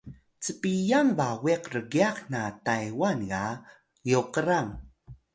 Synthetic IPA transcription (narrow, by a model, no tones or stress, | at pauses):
t͡səpijaŋvawiqrəɡiaqnatajwanɣa | juqəɾaŋ